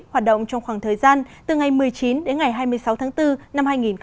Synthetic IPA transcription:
haː˨˩t̚ɗə̰˧˨wŋ͡mt͡ɕɔ˧wŋ͡mxwaː˧˩ŋt̪ʰəː˨˩jzaː˧nt̪ɨ˨˩ŋa˨˩jmɨ˨˩əjt͡ɕi˨˦nɗe˨˦nŋa˨˩jɦaː˧jmɨ˧əjsa˨˦wt̪ʰaː˨˦ŋt̪ɨ˧na˧mhaː˧jŋi˨˩nx

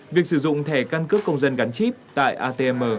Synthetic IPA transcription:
vi˨˩ək̚sɨ˧˩zʊ̰˧˨ŋ͡mt̪ʰɛ˧˩ka˧nkɨ˦˥p̚kːə˧wŋ͡mzə˧nɣa˨˦ŋ̟t͡ɕi˦˥p̚t̪a̰ː˧˨jʔaː˧t̪e˧ɛ˧mʔəː˧˩

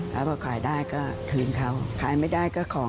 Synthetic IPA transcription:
a˧˦˥waː˧˩kʰaː˨˩jdaː˥˩jkɔː˥˩t̪ʰɯː˧nk̪ʰa˧˩wkʰaː˨˩˦jmaː˥˩jdaː˥˩jkɔː˥˩kʰɔː˨˦

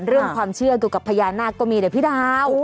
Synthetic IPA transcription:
ɾɯ˥˩əŋʰwaː˧mt͡ɕʰɯ˥˩ɐduː˧˩ka˨˩pʰːa˧jaː˧nːaː˥˩kkːɔː˥˩miː˧da˨˩pʰi˦˥˩daː˧w

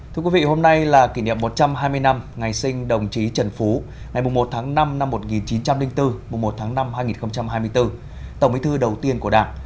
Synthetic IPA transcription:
t̪ʰɨ˧ə˧kwi˨˦vḭ˧˨ho˧mna˧jlaː˨˩ki˧˩nḭ˧˨əmːo˨˩t̚t͡ɕa˧mɦaː˧jmɨ˧əjna˧mŋa˨˩jsï˧ŋ̟ɗə˨˩wŋ͡mt͡ɕi˨˦t͡ɕə˧˩nfu˨˦ | ŋa˨˩jmʊ˨˩ŋ͡mmo˨˩t̚t̪ʰaː˨˦ŋna˧mna˧mːo˨˩t̚ŋi˨˩nt͡ɕi˨˦nt͡ɕa˧mlï˧ŋt̪ɨ˧mʊ˨˩ŋ͡mmo˨˩t̚t̪ʰaː˨˦ŋna˧mhaː˧jŋi˨˩nxə˧wŋ͡mt͡ɕa˧mhaː˧jmɨ˧əjt̪ɨ˧ | t̪ə˧˩wŋ͡mʔḭ˨˦t̪ʰɨ˧ɗə˨˩wt̪i˧ənku˧˩əɗaː˨˩ŋ

